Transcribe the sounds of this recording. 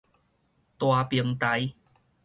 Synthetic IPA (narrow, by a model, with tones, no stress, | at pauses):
t̪waː˧pi˧əŋt̪a˨˦j